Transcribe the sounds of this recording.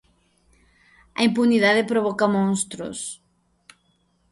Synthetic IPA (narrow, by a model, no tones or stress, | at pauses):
ɐ̰impuniðaðɪpɾoβ̞ɔkɐmõnst̪ɾʊ̰s